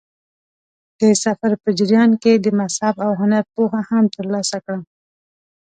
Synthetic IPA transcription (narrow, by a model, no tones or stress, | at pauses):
d̪̥əsafaɾpəd͡ʒɪɾjɑnked̪əmashabawɦʊnaɾpoɦahamt̪əɾlɑsakɽa